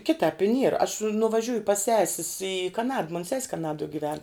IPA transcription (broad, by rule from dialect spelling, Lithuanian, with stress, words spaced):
ˈkʲɪtɑːp ɪ nʲiɛr ɐʃ nʊʋɐˈʒʲuːjʊ pɐs ˈsʲæːsʲɪs ɪ kɐˈnɐt moːn sʲɛsʲ kɐˈnɑːduɔ ɡʲɪˈʋʲɛn